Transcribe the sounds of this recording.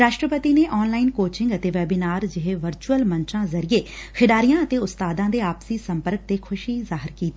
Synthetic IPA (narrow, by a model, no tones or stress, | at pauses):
ɾaːʃʈɾəpət̪iːneːʔɔːnlaːɪnkoːt͡ʃɪŋɡət̪eːʋɛːbinaːɾd͡ʒɪɦeːʋəɾt͡ʃuəlmənt͡ʃãːzəɾieːkʰɪɖaːɾijãːət̪eːʊst̪aːd̪ãːd̪eːaːpsiːsəmpəɾk̚t̪eːkʰʊʃiːzaːɦɪɾkiːt̪i